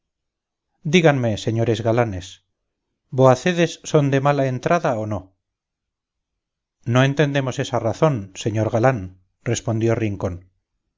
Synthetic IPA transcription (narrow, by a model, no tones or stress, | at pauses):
d̪iɣanme̞se̞ɲo̞ɾezɣalane̞s | boaθe̞ðe̞sːo̞nd̪e̞malaent̪ɾaðaono̞ | no̞e̞nt̪e̞nd̪e̞mo̞se̞saraθo̞nse̞ɲo̞ɾɣalan | re̞spo̞nd̪jo̞riŋko̞n